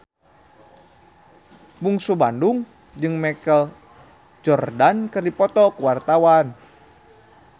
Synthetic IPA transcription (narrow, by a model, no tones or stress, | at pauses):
buŋsubanduŋ | d͡ʒɨŋmɛkəl | d͡ʒɔrdankɨrdipɔt̪ɔkuwart̪awan